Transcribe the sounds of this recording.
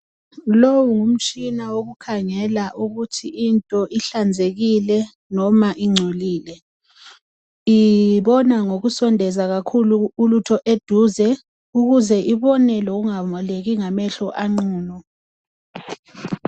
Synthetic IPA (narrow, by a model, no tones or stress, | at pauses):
lowuŋum̩t͡ʃʼinawoɣukʰaŋɛlaʔuɣutʰiʔintʼɔʔiɬand͡zʱeɣilɛ | nɔmaʔiŋ͡ǀʱoliːlɛ | iβɔnaŋoɣusɔndʱɛzaɣakʰuluulutʰɔʔed̥ʱuzɛ | uɣuzɛʔiβɔnɛloɣuŋamɔleɣiŋamɛɬɔʔaŋ͡ǀuːnɔ